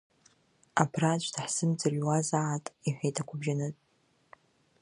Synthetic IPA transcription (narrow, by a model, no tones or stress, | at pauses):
apʰrat͡ʃʷʰʼdaħsɨmd͡zarwazaʕatʼiħʷᶣejtʼakʷʰʊbʒanɨtʼ